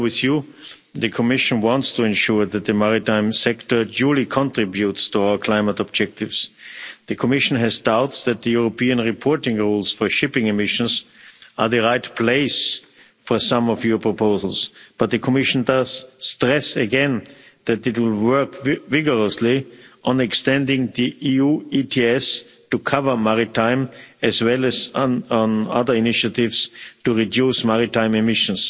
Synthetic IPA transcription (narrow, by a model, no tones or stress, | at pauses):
wɪðju | ðɨkʰɔmɪʃə̃nwɑ̃ntstʰuɛ̃nʃuɹðæt̪̚ðɨmaɹitãɪ̃msɛktə˞d͡ʒuːlˠikʰɔ̃ntɹ̥ɪbjutstuaʊə˞kʰl̥aɪ̃mətɔb̚d͡ʒɛk̚tɪvsðɨkʰɔmɪʃn̩ɦɛzdaʊtsðæt̪̚ðəjuɹopiə̃nɹɪpʰɔɹtɪ̃ŋɹuːlˠsfɔ˞ʃɪpɪ̃ŋɨmɪʃə̃nsʔə˞ðɨɹaɪtpʰl̥eɪs | fɔ˞sãmɔfjɔ˞pʰɹɔpʰoʊzl̩ˠsb̥ʌt̪̚ðɨkʰɔmɪʃn̩dʌz̥stɹɛsɨɡɛ̃nðætɪtwɪlˠwɜ˞kvɪɡə˞əsliʔɔ̃nɛkstɛ̃ndɪ̃ŋðiʔiuːitʰiɛs | tukʰavə˞maɹɪtʰãɪ̃mɨzwɛlɨz̃na̰ðə˞ɪnɪʃɨtɪvstuɹidjusmaɹitãɪ̃mɨmɪʃə̃ns